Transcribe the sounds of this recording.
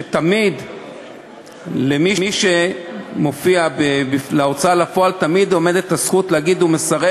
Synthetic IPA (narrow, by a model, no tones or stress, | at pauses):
t̪amid̪ | lemiiʃemo̞fiabebifleot͡salafo̞alt̪amid̪o̞me̞d̪et̪asχut̪leaɡid̪umesaʁe